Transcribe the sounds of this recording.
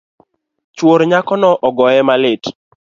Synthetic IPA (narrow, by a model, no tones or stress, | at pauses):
t͡ʃwoɾɲakɔnɔʔɔɡɔjɛmalɪt